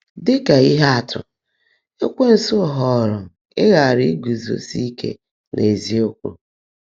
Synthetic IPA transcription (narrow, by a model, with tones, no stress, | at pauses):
dɪ˦ka˨i˦ɦa˦a˨tʰʊ̰˨ | e˦kʷe˦n̩˨sʊ˦˨ɦɔ˨ɾʊ˨ | ɪ˦ɣa˨ɾi˦ɡʷu˨zo̰˨si˦kḛ˦ | nʔe˨zi˦o˦kʷṵ˦